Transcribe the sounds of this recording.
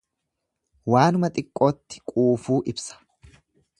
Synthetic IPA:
waːnʊmɐt̪ʼɪkʼːo̞ːt̪ːɪ̥kʼuːfuːʔɪbsɐ̥

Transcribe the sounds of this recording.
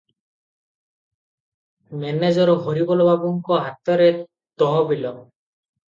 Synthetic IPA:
mɛned͡ʒɔɾɦoɾibɔlɔbabɔŋkɔɦat̪ɔɾe | t̪ɔɦɔbilɔ

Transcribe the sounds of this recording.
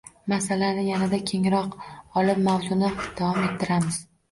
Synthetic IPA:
masalanɪjanad̪akʲʰe̞ŋɾɒqɒlˠɪp̚mawzʊnɪd̪̥avɒme̞t̪ʰːɪɾamɪz̥

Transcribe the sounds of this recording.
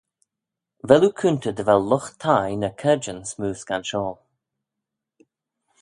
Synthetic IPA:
vɛlukʰunt̪əd̪əvɛlːʊxt̪ʰajnəkʰɛd͡ʒənsmuːsɡ̥anʃɔːl

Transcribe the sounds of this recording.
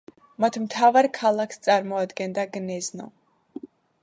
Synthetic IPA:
mat̪ʰmt̪ʰavaɾkʰalˠakʰst̪sʼaɾmɔad̪ɡɛnd̪aɡnɛznɔ̰

